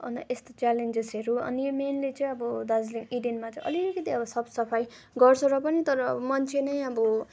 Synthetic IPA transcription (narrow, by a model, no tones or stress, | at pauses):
ʌ̰nʌ̰ʔest̪ot͡salend͡zesɦeɾuʌ̰nimenlit͡sʌ̃ĩʌbʌd̪ʌd͡zliŋiɖenmat͡sʌĩʔʌ̰likʌt̪iʌbʌsʌbsʌpʰaj | ɡʌrt͡sʰʌɾʌpʌnit̪ʌɾʌ̰ːbmʌnt͡sʰenʌjʌbʌ